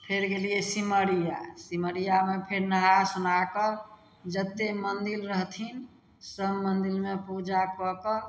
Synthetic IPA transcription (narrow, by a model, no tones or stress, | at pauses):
pʰeɾɡelijesiməɾija̰siməɾijamepʰeɾnəɦasunakə | d͡ʒət̪ːemənd̪ilɾəɦt̪ʰin | səbmənd̪ilmepud͡ʒakəkə